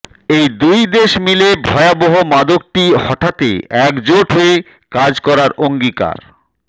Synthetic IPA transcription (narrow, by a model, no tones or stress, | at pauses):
ejd̪ujd̪eʃmilebʱɔeaboɦomad̪ok̚ʈihɔʈʰat̪ḛɛkd͡ʑoʈɦoe | kad͡ʑkɔɾaɾʔoŋɡika̰ɾ